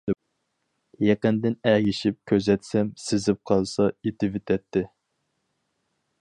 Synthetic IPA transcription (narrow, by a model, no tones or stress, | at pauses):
jeqənd̪ɪnæɡʲiʃip̚kʲʰøzɛt̪sɛmsɪzɪp̚qʰɑlˠsɑet̪ʰɪvɪt̪ʰɛt̪ʰːɪ